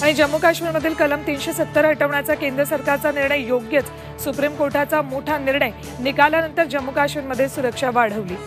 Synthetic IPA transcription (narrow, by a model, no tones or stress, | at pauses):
aɽ̃id͡ʑəmːukaɕʋiɾməd̪ʱiːlkələmt̪iːnɕesət̪ːəɾɦəʈəʋɳjat͡sakend̪ɾəsəɾkaɾt͡saniɾɳəjjoɡjət͡s | supɾimkoʈʰat͡samoʈʰaniɾɳəj | nikaljanənt̪əɾd͡ʑəmːukaɕʋiɾməd̪ʱːjesuɾəkʂaʋaɽ̤əʋliː